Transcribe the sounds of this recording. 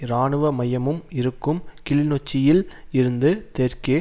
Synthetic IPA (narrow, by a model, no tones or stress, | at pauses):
ɾaːɳɯʋɐmɐjɐmɯmɪɾɯkːɯmkɪlɪnɔt͡ʃːɪjɪlɪɾɯnd̪ɯt̪ɛɾke